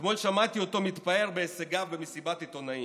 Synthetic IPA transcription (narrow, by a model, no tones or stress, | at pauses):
t̪molʃamat̪iot̪o̞mit̪pae̞ʁbeːseɡavbemesibat̪it̪onai